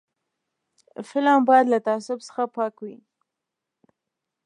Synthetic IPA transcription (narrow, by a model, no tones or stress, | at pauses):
fɪlɑmbɑjad̪lat̪aasʊbsə̥xapɑkwi